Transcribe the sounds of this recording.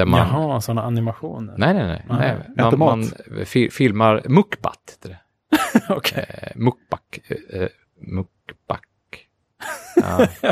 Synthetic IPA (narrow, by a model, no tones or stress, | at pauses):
æɾmanɦasɔnːaanɪmaɧuːnənɛɪnɛnɛ̰ɛ̰anmanfɪfɪlmaɾmɵkːba̰t̪he̥t̪ːədɛ | ɔkʰmʊk̚b̥akː | mʊkb̥ak